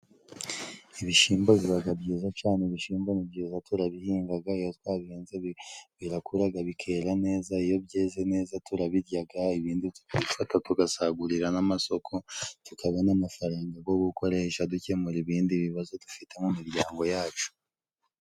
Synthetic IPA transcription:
iβiʃiːmboβiɾaɡabɟiːzat͡ʃaːneβiʃiːmbonibɟiːzatuɾaβihiːŋɡaɡaijotwaːβeːnzeβiɾakuɾaɡaβikʰe̞ːɾane̞ːzaijo̞bɟeːzene̞ːzatuɾaβiɾɟaɡaiβiːnditu̥kaβifatatuɡasaɡuɾiɾanamaso̞kʰo̞tukaβanamafaɾaːŋɡaɡo̞βuko̞ɾe̞ʃaducemuɾiβiːndiβiβazo̞dufite̞mumiɾɟaːŋɡo̞jaːt͡ʃu̥

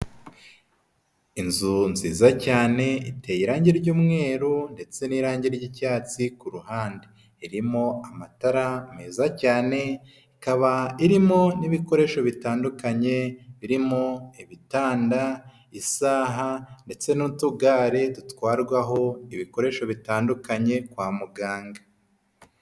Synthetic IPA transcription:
inzunziːzacaːne̞itejiɾaːɲɟiɾɟuːmŋe̞ːɾunde̞t͡se̞niːɾaːɲɟiɾɟicaːt͡sikuɾuhaːnde | iɾimo̞amataɾameːzacaːne̞ | ikaβaiɾimo̞niβiko̞ɾe̞ʃo̞βitaːndukaɲe̞βiɾimo̞iβitaːnda | isaːɦande̞t͡se̞nutuɡaːɾe̞dutwaːɾɡwaɦo̞iβiko̞ɾe̞ːʃo̞βitaːndukaɲe̞kwaːmuɡaːŋɡa

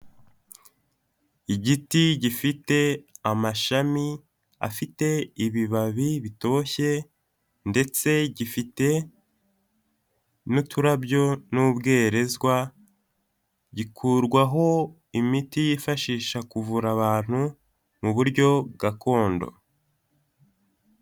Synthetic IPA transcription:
iɟitiɟifite̞amaʃami | a̰fite̞iβiβaβiβito̞oçe̞ | nde̞t͡se̞ɟifite̞ | nutʰuɾabɟo̞nubɡe̞ːɾe̞zɡwa | ɟikʰuɾɡwaɦo̞ | imitijifaʃiːʃakuvuɾaβaːn̥hu | muβuɾɟo̞b̚ɡakʰo̞ːndo̞̰

